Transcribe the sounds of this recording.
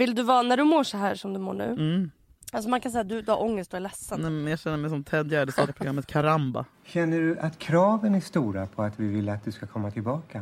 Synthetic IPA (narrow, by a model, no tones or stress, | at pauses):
vɪld̪ɵvɑːnæɖɵmoːʂɔɦæːʂɔmd̪ɵmo̰ːɳʉ̟̰ː | als̬ɔmankʰansɛjːat̪̚d̪ɵd̪ɵhaɾʔɔŋːəst̪̚ʊælɛsːənɛmmɛnjɑɕɛnːəɾmɛjsɔmt̪ʰɛd̪jad̪ɛst̪ɑːapɾɡɾamːət̪̚kʰaɾamba̰ | ɕɛnːəɖɵʔat̪kʰɾɑːvənæʂt̪uːɾapʰɔat̪vɪvɪlːəat̪̚d̪ɵskakʰɔmːat̪ʰɪlbɑːka